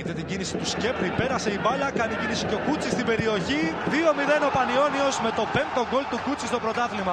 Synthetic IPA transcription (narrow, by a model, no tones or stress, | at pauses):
et̪e̞t̪iɟinisi̥t̪usce̞pɾipe̞ɾɐse̞ivɐlɐkɐniɟinisi̥ceo̞kut͡sist̪ibe̞ɾio̞çiðio̞miðe̞no̞pɐnio̞nio̞zme̞t̪o̞pe̞mt̪o̞ɡo̞lt̪ukut͡sist̪o̞pɾo̞t̪ɐθlimɐ